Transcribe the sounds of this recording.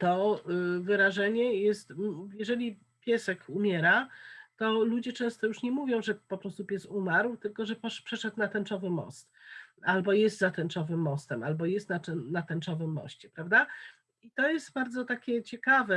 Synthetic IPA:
t̪ɔvɘɾaʐɛɲɛjɛst̪jɛʐɛlʲi | pʲjɛsɛkumʲjɛɾat̪ɔlud͡ʑɛt͡ʂɛ̃w̃st̪ɔjuʂɲɛmuvʲjɔ̃w̃ʐɛpɔpɾɔst̪upʲjɛst̪umaɾwt̪ɘlkɔʐɛpɔpʂɛʂɛt̪nat̪ɛnt͡ʂɔvɘmɔ̰st̪albɔjɛst̪zat̪ɛnt͡ʂɔvɘmːɔst̪ɛmʔalbɔjɛst̪naɛnat̪ɛnt͡ʂɔvɘmːɔ̰ɕt͡ɕɛpɾavd̪a | it̪ɔjɛst̪baɾd̪zɔt̪akʲɛt͡ɕɛkavɛ

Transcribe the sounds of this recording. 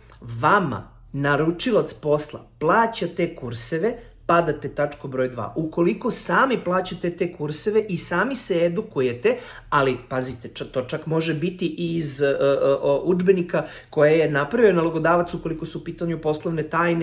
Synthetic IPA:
ʋama̰ | naɾut͡ʂilˠat̪spo̞slˠa̰plˠaːt͡ɕat̪e̞kuɾse̞ʋe̞ | pad̪at̪et̪at͡ʂkobɾo̞ːjd̪ʋa̰ːʔuko̞liko̞saːmiplˠaːt͡ɕat̪e̞t̪e̞kuɾseʋe̞ʔisaːmiseed̪ukuje̞t̪e̞ | alipazit̪eat̪o̞t͡ʃakmo̞ʒebit̪iʔiz | ʔud͡ʒbe̞nika | ko̞jaje̞napɾaʋionalˠoɡo̞d̪aːʋat̪suko̞liko̞suupiːt̪aɲupo̞slˠoʋne̞t̪aːjne

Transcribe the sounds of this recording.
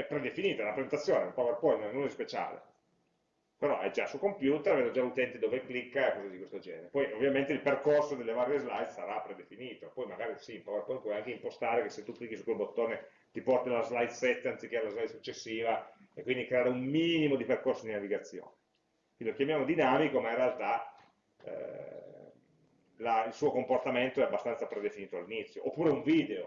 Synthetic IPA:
ɛpːɾed̪efiniːt̪aɛnapɾezent̪at̪sjoːneumpawerpɔjnːnõnɛspet͡ʃa̰ːlḛ | peɾɔʔɛd͡ʒasːukompjuːt̪eɾavɛnd̪od͡ʒalut̪ɛnt̪id̪oːveklikːaekːɔzad̪ikwest̪od͡ʒɛ̰ːneɾepɔjovːjament̪eilperkorsod̪elːevarjezlajt̪saɾapːɾed̪efiniːt̪opɔjmaɡaːɾisiumpawerpɔj̪pwɔjaŋkeimpost̪aːɾekesːet̪ːukːlikːisukːwelbot̪ːoːne | t̪ipɔrt̪alazlajt̪sɛt̪ːeansikːealazlajt̪sut͡ʃːesːiːva | ekːwind̪ikɾeaːɾeummiːnimod̪iperkorsod̪inaviɡat̪sːjo̰ːne | inilokjamjaːmod̪inaːmikomainrealt̪a̰ | lailsuːokomport̪ament̪oɛabːast̪ant̪sapɾed̪efiniːt̪oalːinit̪sːjoʔopːuːɾeuɱviːd̪eo

